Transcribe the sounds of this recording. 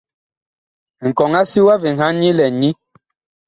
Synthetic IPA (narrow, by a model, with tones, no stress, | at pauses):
ŋ̩˨kɔ˨ŋa˦si˦wa˦vi˨ŋ̩ha˦ɲi˦lɛ˨ɲi˦